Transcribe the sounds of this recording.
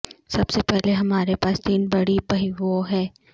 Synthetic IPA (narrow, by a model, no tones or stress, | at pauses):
sɐbsepɛɦleɦɐmaːɾepaːst̪iːnbɐɽipɐɦiʋoɦɛː